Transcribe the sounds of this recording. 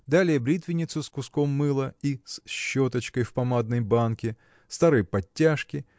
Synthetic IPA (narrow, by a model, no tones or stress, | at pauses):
d̪alʲɪjəbɾʲit̪vʲɪnʲɪt̪sʊskʊskomːɨlˠəisɕːot̪ət͡ɕkəjfpɐmad̪̚nəjbankʲɪ | st̪aɾɨjpɐtʲːaʂkʲɪ